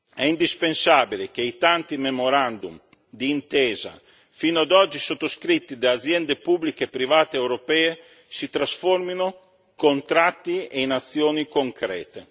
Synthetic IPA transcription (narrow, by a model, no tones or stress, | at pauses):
ɛind̪ispensaːbilek̟eijt̪ant̪imemoɾand̪um | d̪iːnt̪ɛːza̰ | finoad̪ɔd͡ʒːisot̪ːoskɾit̪ːid̪eazjɛnd̪epublikepːɾivaːt̪eewɾopɛːe | sit̪ɾasformino | kont̪ɾat̪ːieinat̪sːjoːnikoŋkɾɛ̰ːt̪e